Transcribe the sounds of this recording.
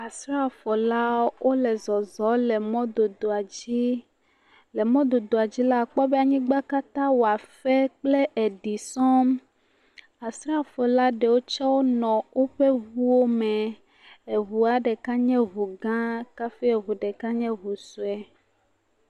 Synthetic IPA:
a˨sɾa˦fɔ˨la˦wʔo˦lɛ˨zɔ˨zɔ˨˦lɛ˨mɔ̃˦d̪o˨d̪o˨a˨d͡ʑi˦ | le˨mɔ̃˦d̪o˨d̪o˨a˨d͡ʑi˦la˦˨k͡pɔ˦bɛ˦a˨ɲĩ˦ɡ͡ba˦ka˦t̪ã˦wo˨a˨fɛ˦k͡ple˦ʔe˨ɖi˨sɔ̃˦m | a˨sɾa˦fɔ˨la˦ɖe˨wo˦t͡ʃɔ˦wo˦nɔ̃˨wo˦ɸe˦ɣu˦wo˦mɛ̃˨ | e˨βu˨a˨ɖɛ˨ka˦ɲɛ̃˦ɦu˨ɡã˦ka˦fi˦e˨βu˨ɖɛ˨ka˦ɲɛ̃˦βu˨su˨˦ɛ˦

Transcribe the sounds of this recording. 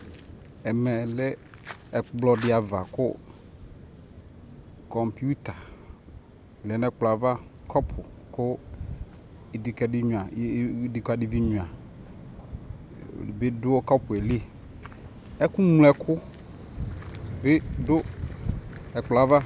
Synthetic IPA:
ɛ˨mɛ˨lɛ˦ | ɛ˨blɔ˨dɪ˨˦a˨va˨kʊ˦ | kɔ˨mpi˦u˦t̪a˨ | lɛ˨nɛ˦k͡plɔ˨a˨va˦kʰɔ˦pʰʊ˨kʊ˦˨ | di˨kɛ˨dɪ˦ɲũ˨a˨˦di˨ka˨dɪ˨vi˦ɲũ˨a˨ | be˦dʊ˦o˦kɔ˦pʊ˨ɛ˨l | ɛ˦kʊ˦m˦lɛ˦kʰʊ˦ | bɪ˦dʊ˦ | ɛ˨k͡plɔ˨a˨va˦

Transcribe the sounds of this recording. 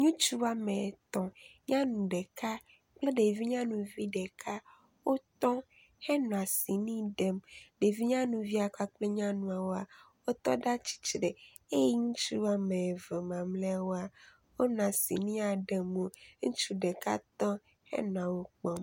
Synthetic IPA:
ɲũ˦t͡ʃu˦a˨mẽ˨t̪ɔ̃˨ɲã˦nũ˨ɖɛ˨ka˦ | k͡ple˦ɖe˨vi˦ɲã˦nũ˨vi˦ɖɛ˨kʰa˦ | wo˦t̪ɔ̃˦ | hɛ˦nɔ̃˨a˨si˨nĩ˦ɖe˦mɖe˨vi˦ɲã˦nũ˨vi˦a˨ka˦k͡ple˦ɲã˦nũ˨a˨wo˦a˨ | wo˦t̪ɔ˦ɖa˦t͡ɕi̥˨t͡ʃɾe˨ | e˦jɛ˦ɲũ˦t͡ʃu˦a˨mẽ˨ve˨mã˨mlɛ˦a˦wo˦a˨ | wo˦nã˨sḭ˨nĩ˦a˨ɖe˦mo˦ŋũ˦t͡ʃu˦ɖe˨ka̰˦t̪ɔ̃˦ | hɛ̰˦nɔ̃˨ã˨wo˦k͡pɔ˦m

